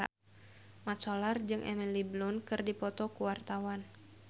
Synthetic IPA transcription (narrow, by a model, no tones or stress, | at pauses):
a̰ | mat̪solard͡ʒɨŋʔɛ̰miliblʊnkɨrdipɔt̪ɔkuwart̪awan